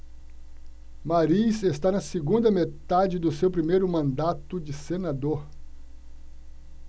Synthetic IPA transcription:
maɾisest̪anɐseɡũnd̪ɐmet̪ad͡ʒɪd̪ʊsewpɾimejɾʊmɐ̃nd̪at̪ʊd͡ʒɪsenad̪oɾ

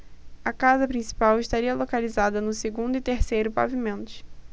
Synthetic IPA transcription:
ɐkazɐpɾĩsi̥pawɪʃt̪aɾiɐlokalizad̪ɐnʊseɡũnd̪ʊɪt̪eɾsejɾʊpa̰vimẽnt̪ʊ̥

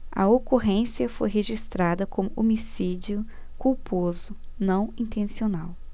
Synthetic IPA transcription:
ɐ̰okoɦẽsiɐfo̰jɦeʒist̪ɾad̪ɐkõmʊʔomisid͡ʒiʊ | kuwpozʊnɐ̃w̃ĩnt̪ẽsionaw

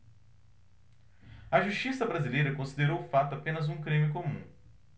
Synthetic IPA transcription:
ɐʒuʃt͡ʃisɐbɾazilejɾɐkõsid̪eɾowfat̪ʊapẽnɐzũkɾĩmɪkomũ

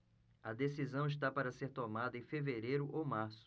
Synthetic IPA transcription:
ɐd̪esizɐ̃w̃iʃ̬t̪apaɾɐseɾt̪omad̪ɐẽj̃feveɾejɾʊʔomaɾsʊ̥

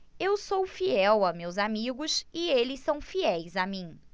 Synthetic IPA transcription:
ewsowfiɛwamewzamiɡʊsɪelɪsɐ̃w̃fiɛjzamĩ

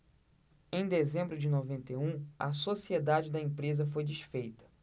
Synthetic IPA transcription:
ẽj̃d̪ezẽmbɾʊd͡ʒɪnovẽnt̪eũɐ̰sosied̪ad͡ʒɪd̪ɐẽpɾezɐfojd͡ʒiʃfejt̪ɐ̥

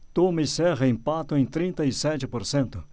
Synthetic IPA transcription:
t̪omisɛʁɐĩmpat̪ʊẽj̃t̪ɾĩnt̪ɐisɛt͡ʃɪpoɾsẽnt̪ʊ

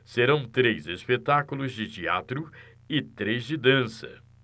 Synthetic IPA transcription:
seɾɐ̃w̃t̪ɾejzespet̪akulʊzd͡ʒɪt͡ʃia̰t̪ɾʊ | ɪt̪ɾejzd͡ʒɪd̪ɐ̃sɐ̰

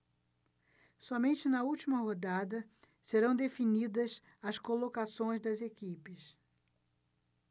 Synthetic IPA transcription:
sɔmẽnt͡ʃɪnɐuwt͡ʃimɐɦod̪ad̪ɐ | seɾɐ̃w̃d̪efinid̪ɐs | ɐskolokasõj̃zd̪ɐzekipɪs

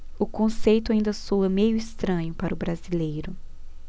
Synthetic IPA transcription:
ʊkõsejt̪ʊaĩnd̪ɐsoɐmejʊɪst̪ɾɐ̃ɲʊpaɾɐʊbɾazilejɾʊ

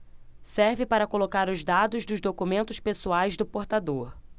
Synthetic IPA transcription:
sɛɾvɪpaɾɐkolokaɾʊzd̪ad̪ʊzd̪ʊzd̪okumẽnt̪ʊspesuajzd̪ʊpoɾt̪ad̪oɾ

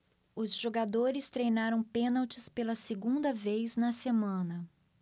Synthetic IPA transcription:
ʊzʒoɡad̪oɾɪst̪ɾejnaɾɐ̃w̃pẽnawt͡ʃɪspelɐseɡũnd̪ɐvejznɐsemɐ̃nɐ

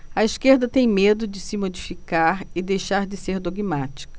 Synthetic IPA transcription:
ɐiʃkeɾd̪ɐt̪ẽj̃med̪ʊd͡ʒɪsɪmod͡ʒifikaɾɪd̪ejʃaɾd͡ʒɪseɾd̪oɡimat͡ʃi̥kɐ

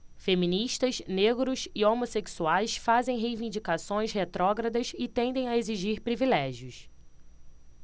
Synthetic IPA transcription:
femĩniʃt̪ɐsneɡɾʊsɪomoseksuajsfazẽj̃ɦejvĩnd͡ʒikasõj̃shet̪ɾɔɡɾɐd̪ɐsɪt̪ẽnd̪ẽj̃aeziʒiɾpɾivilɛʒiʊs

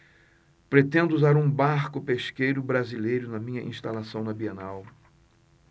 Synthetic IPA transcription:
pɾet̪ẽnd̪ʊuzaɾũbaɾkʊpeʃkejɾʊbɾazilejɾʊnɐmĩɲɐʔḭ̃ʃt̪alasɐ̃w̃nɐbienaw

